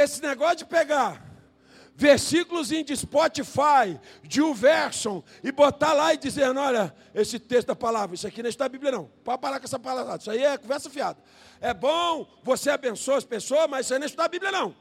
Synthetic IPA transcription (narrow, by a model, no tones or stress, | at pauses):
esɪneɡɔsʊd͡ʒɪpeɡaɾ | veɾsikʊlʊzĩd͡ʒɪspɔt͡ʃifajd͡ʒɪũvɛɾsõw̃ | ɪbot̪alaɪd͡ʒizeɾnʊ̃ɔʎɐ | esɪt̪est̪ʊd̪ɐpalavɾɐisʊakiñʃt̪d̪abiblʲjɐnɐ̃w̃papaɾakõɛsɐpalaadisaiɛkõvɛɾsɐfiad̪ɐ | ɛbõvoseabẽsoɐsɐpesoɐmɐzisaiñiʃt̪d̪abiblʲɐnɐ̃w̃